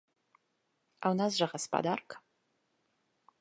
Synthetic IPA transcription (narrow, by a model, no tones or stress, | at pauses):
awnas̬ʒɐʁɐspʰʼa̰d̪ark